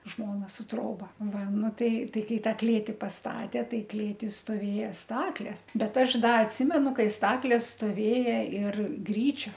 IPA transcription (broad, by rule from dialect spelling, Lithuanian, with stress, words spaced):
ˈʒmoːnɐ sʊ ˈtroːbɐ ˈʋɐ ˈnʊ ˈtɐɪ ˈtɐɪ ˈkɐɪ ˈtɑː ˈklʲeːtʲɪ pɐsˈtɑːtʲeː ˈtɐɪ ˈklʲeːtʲɪ stoːˈʋʲeːjɛ ˈstɑːklʲeːs ˈbʲɛt ˈɐʃ ˈdɐ ɐtʲˈsʲɪmʲɛnʊ ˈkɐɪ ˈstɑːklʲeːs stoːˈʋʲeːjɛ ɪr ˈɡrʲiːt͡ʃʲoː